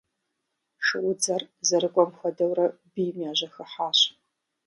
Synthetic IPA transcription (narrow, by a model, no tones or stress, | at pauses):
ʂɨʔʊd͡zɐrzɐɾɨɡʷʼɔmxʷɐdɐwɾɐbijmjaːʑɐxɨħaːɕ